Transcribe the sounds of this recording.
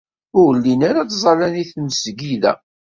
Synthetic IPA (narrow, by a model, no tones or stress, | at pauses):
ʊɾlːinaɾat͡szˤɑlæniθməsɡilæ̰